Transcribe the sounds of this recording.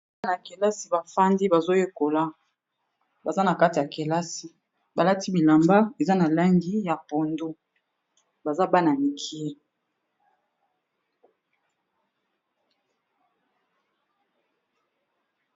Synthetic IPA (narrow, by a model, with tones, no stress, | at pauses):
na˨ke˨la˦si˨ba˨fa˦ndi˦ba˨zo˦je˦ko˨la˦ | ba˨za˦na˨ka˦ti˨ja˨ke˨la˦si˨ | ba˨la˦ti˦bi˨la˨mba˦e˨za˦na˨la˦ŋɡi˦ja˨po˨ndo˦ | ba˨za˦ba˦na˨mi˨kʰi˦e˦